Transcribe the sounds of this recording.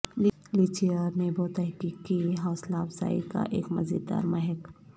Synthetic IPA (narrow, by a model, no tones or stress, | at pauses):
l | lit͡ʃiəɾnebɔːt̪ɛɦkikːieɦɔːslafsa̰ːḭka̰ʔeːkmɐzḭːd̪̚ːa̰ːɾmɛɦɛk